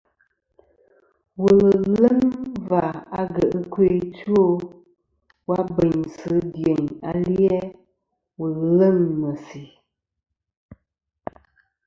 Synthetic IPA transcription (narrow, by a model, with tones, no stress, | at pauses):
wə˨llə˦ŋva˨a˨ɡə˨ʔə˦kwe˦˨tu˦o˦ | wa˦bə˨ɲsɨ˨˦dje˨ɲa̰˦ljɛ˦ | wə˨llə˦˨ŋmə˨si˨